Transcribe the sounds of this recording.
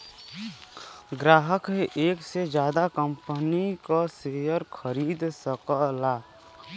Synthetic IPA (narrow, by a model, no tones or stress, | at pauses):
ɡɾaːɦəkeʔeːksed͡ʒjaːd̪akəmpənikasejəɾkʰəɾiːd̪səkəlaː